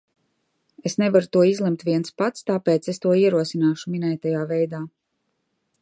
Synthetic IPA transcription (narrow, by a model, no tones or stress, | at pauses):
esnevaɾut̪uɔizlˠɛmt̪ʋʲiɛnspat̪st̪aːpeːt̪sest̪uɔiɛɾuɔsinaːʃuminɛːjt̪ajaːvɛjd̪aː